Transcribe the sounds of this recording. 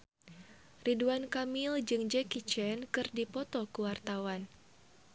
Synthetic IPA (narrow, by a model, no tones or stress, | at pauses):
riduankamild͡ʒɨŋd͡ʒɛkit͡ʃɛnkɨrdipɔt̪ɔkuwart̪awan